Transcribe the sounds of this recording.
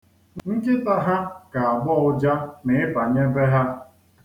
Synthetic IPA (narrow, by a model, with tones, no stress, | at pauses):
ŋŋ̩˦kɪ˦ta˦ɦa˦ka˨a˨ɡ͡bɔ˦ʊ˦d͡ʒa˦mɪ˨ɪ˦pa˨ɲe˦be˦ɦa˦